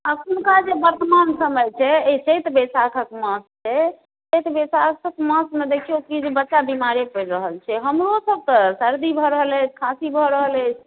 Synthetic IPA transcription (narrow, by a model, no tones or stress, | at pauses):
akunkad͡ʒebəɾt̪əmansəməjt͡ʃʰɛet͡ʃʰet̪besakʰəkmə̃st͡ʃʰɛ | səjt̪besakʰəkmə̃smed̪ekʰiokid͡ʒbətːʃabimaɾepəɾɾəɦəlt͡ʃʰɛɦəmɾosəb̚k̪əsəɾd̪ibʱɔɾəɦələt͡ʃʰkʰãsibʱɔɾəɦələt͡ʃʰ